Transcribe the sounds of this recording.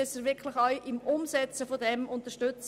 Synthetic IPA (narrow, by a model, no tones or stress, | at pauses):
ɛsəʋɪkʰlɪxɑjʔɪmʊmsɛt͡səfodɛmʊnt̪əʃtʏt͡s